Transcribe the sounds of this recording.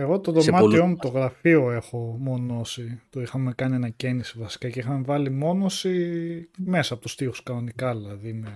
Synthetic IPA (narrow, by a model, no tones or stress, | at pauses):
eɣot̪o̞ðo̞mmɐt̪io̞mut̪o̞ɣɾɐfio̞e̞xo̞mo̞no̞sit̪oixɐme̞kɐnienɐce̞nisivɐsi̥kɐce̞ixɐmevɐlimo̞no̞si | me̞sɐpot̪u̥st̪ixu̥skɐno̞nikɐlɐðime